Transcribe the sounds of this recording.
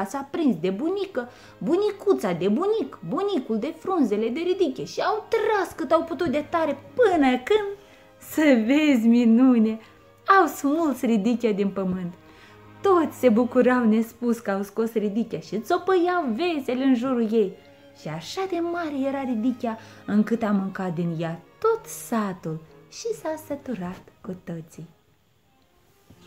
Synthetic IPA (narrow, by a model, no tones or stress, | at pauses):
asapɾinsd̪e̞bunikə | bunikut̪sad̪e̞bunikbunikuld̪e̞fɾunze̞le̞d̪e̞ɾid̪ikʲieʃiawt̪ɾaskɨt̪awput̪ut̪̚d̪et̪aɾe̞pɨnəkɨnd̪ | səvezʲminunʲe | awsmult̪srid̪ikʲad̪inpəmɨnt̪ː | o̞t̪sʲse̞bukuɾawne̞spuskəawsko̞srid̪ikʲiaʃit̪so̞pəjawve̞se̞leɨnʒuɾuje̞j | ʃiaʃad̪emaɾeje̞ɾaɾid̪ikʲaɨŋkɨt̪amɨŋkat̪̚d̪injat̪o̞t̪sat̪ulʃisasət̪uɾat̪kut̪ət̪sij